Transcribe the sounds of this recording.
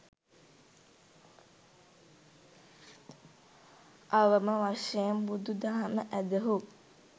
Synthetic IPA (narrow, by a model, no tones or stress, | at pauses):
aʋəməʋaʃejembud̪ud̪aɦaməʔæd̪əɦu